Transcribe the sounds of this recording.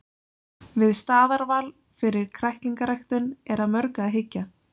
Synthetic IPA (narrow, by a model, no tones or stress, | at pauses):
vɪðst̪aːðaɾvaːl | fɪɾɪɾ̥kʰɾajht̪liŋkaɾajxt̪ʏnɛɾaðmœɾkaːðɦɪcːa